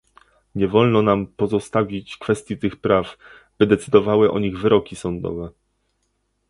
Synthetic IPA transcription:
ɲɛvɔlnɔnampɔzɔst̪avʲit͡ɕkfɛst̪ʲjit̪ɘxpɾav | b̥ɘd̪ɛt̪sɘd̪ɔvawɘʔɔɲiɣvɘɾɔkʲisɔnd̪ɔ̰vɛ

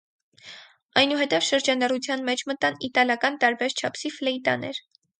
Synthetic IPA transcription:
ɑjnuɦɛt̪ɛvʃəɾd͡ʒɑnɑrut͡sʰjɑnmɛt͡ʃʰmət̪ɑnit̪ɑljɑkɑnt̪ɑɾbɛɾt͡ʃʰɑpʰsiflɛit̪ɑ̰nɛ̰ɾ

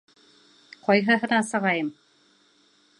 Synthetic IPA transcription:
qʰɒjɦɤ̆ɦɤ̆nɑsɤ̆ʁɑjɤm

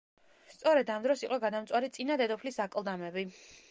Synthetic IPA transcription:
st̪sʼɔɾɛd̪amd̪ɾɔsiqʼɔɡad̪amt̪sʼwaɾit̪sʼinad̪ɛd̪ɔpʰlisakʼlˠd̪amɛbi

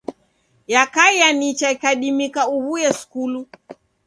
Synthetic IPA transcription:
jakaijanit͡ʃaikaɗimikauβujɛskulu

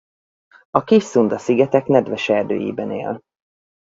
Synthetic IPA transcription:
ɒkiʃsund̪ɒsiɡɛt̪ɛknɛd̪ʋɛʃɛrd̪ø̰ːjḭːbɛnḛːl

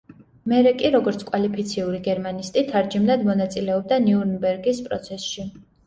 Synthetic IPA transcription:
mɛɾɛkʼiɾɔɡɔɾt̪sʰkʼwalipʰit̪sʰiuɾiɡɛɾmanist̪ʼit̪ʰaɾd͡ʒimnad̪mɔnat̪sʼilɛɔb̚d̪aniuɾnbɛɾɡispʼɾɔ̰t̪sʰɛsʃi

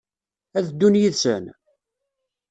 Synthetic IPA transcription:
æðd̪ːunjiðsə̰n

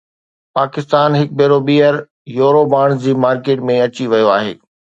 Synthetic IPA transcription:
paːkɪst̪aːnɦɪk̚bʱeːɾoɓiːɦəɾ | joːɾobaːɽ̃d͡ʑiːmaːɾkeːʈmẽɐt͡ɕiʋɐjoaːɦḛː

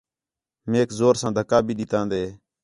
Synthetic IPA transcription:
meːkzoːɾsãːd̪ʱəkaːbʱiːɗɪt̪ãːnd̪eː

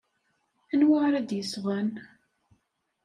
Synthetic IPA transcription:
ænwaʁɾæd̪jəsʁæn

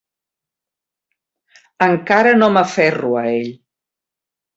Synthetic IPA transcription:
əŋkaɾənoməfɛruəeʎ

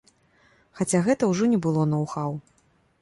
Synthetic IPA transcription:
xat͡sʲaɣɛt̪ɐwʐɔnʲɛbɨlˠɔnɐwxaw

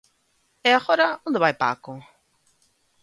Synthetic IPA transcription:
ɛaɣoɾaõnd̪eβajpa̰kʊ

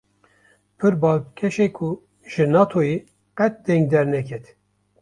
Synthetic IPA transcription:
pʰɨɾbɑːlkʰɛʃeːkʰu | ʒ̥ɨnɑːt̪ʰoje | qɛt̪̚d̪ɛŋɡd̪ɛɾnɛkʰɛt̪

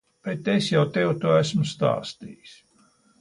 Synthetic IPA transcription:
b̥et̪esjawt̪ewt̪uːæsmʊst̪a̰ːst̪ḭːjis

